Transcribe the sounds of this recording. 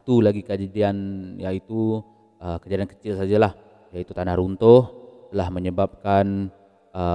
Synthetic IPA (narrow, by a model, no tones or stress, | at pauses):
it̪ulaɡikad͡ʒadianjait̪u | əkəd͡ʒaɾankə̥t͡ʃɪlsad͡ʒalah | jait̪ut̪anaɾunt̪ʊht̪əlahməɲəbap̚kan | ə